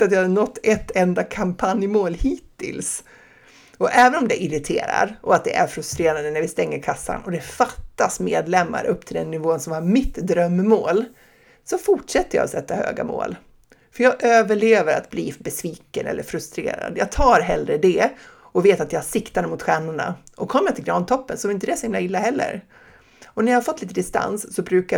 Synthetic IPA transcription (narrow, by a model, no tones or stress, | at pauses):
at̪jɑːhanɔt̪ːɛt̪ːɛnd̪akʰampʰanjmoːlhiːt̪ʰːɪ̰ls | ɔʔɛːvənɔmd̪ɛʔɪɾɪt̪ʰḛːɾa̰ɾʔɔat̪̚d̪ɛ̰ʔæɾfɾɵst̪ɾeːɾand̪ənæɾvɪst̪ɛŋːəɾkʰasːa̰nɔd̪ɛfat̪ːasmeːd̪lɛmːa̰ɾɵpːt̪ʰɪld̪ɛnːɪvoːnsɔmhaɾmɪt̪d̪ɾœmːoːl | sɔfʊʈʂɛt̪ːəja̰ɔsɛt̪ːahø̰ːɡa̰mo̰ːl | fœɾjɑːɡʔøːvəɭeːvəɾa̰t̪blḭːbɛsviːkənɛ̰lːə̰ɾfɾɵst̪ɾḛːɾa̰d̪jɑːɡ̚t̪ʰɑːɾɦɛlɾəd̪ɛ | ʔɔveːt̪at̪jahaʂɪkt̪and̪əmʊt̪ɧæːɳʊɳa̰ʔɔkʰɔmːəjat̪ʰɪlɡɾɑːnt̪ʰɔpːənsɔmɪnt̪əd̪ɛsɔhɪmlaɪlːaɦɛlːə̰ɾ | ɔnæɾjahaɾfɔt̪ːliːt̪əd̪ɪst̪a̰nsːɔbɾʉ̟ːka